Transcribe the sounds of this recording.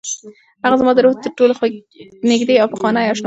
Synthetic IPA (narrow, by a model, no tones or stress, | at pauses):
haɣazmɑd̪əɾoht̪əɾʈolox | nɪɡd̪eawpəxwɑnajɑʃn